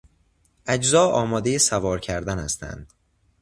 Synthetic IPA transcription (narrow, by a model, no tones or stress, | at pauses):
ʔæd͡ʒzɒːɒːmɒːd̪ejesævɒːɾcʰæɾd̪ænæst̪æ̰nd̪̥